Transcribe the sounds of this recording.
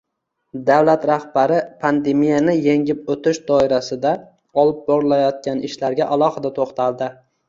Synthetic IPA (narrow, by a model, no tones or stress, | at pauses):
d̪awlat̪ɾahbaɾɪpʰand̪e̞mijanɪjeŋɪp̚ot̪ʰɪʃd̪ɒɪɾasɪd̪a | ɒlˠɪp̚bɒɾɪlajɒt̪̚kʲanɪʃlaɾɡʲaʔalˠɒhɨd̪at̪ʰoχt̪ʰalˠd̪ɪ